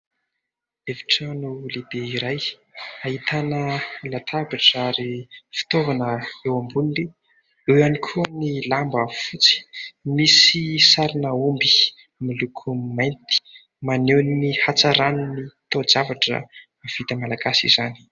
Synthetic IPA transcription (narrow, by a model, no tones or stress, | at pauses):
evi̥ʈ͡ʂanulebeiɾaj | aɦit̪ʰanəlat̪ʰabaʈ͡ʂaɾifi̥t̪ovanəewambunili | ewanikʰuənilambafut͡si̥misisaɾinəumbi̥ | milukʰumajnt̪i̥ | manewninihat͡saɾanunit̪od͡zavaʈ͡ʂə̰ | av̥it̪əmalaɡasḭzani̥